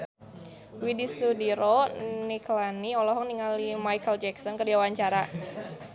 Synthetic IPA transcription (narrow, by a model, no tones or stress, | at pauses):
widisudiɾɔniklaniɔlɔɦɔŋniŋalimajkəld͡ʒɛksɔnkərdiawaɲt͡ʃaɾa